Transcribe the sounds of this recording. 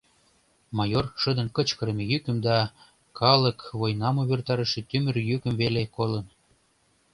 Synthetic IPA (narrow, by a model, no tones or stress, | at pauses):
mɑjorʃə̆d̪ə̆nkə̆t͡ɕkə̆ɾə̆mejykə̆md̪ɑ | kʰɑlə̆kβojnɑmuβert̪ɑɾə̆ʃet̪ymə̆rjykə̆mvelekolə̆n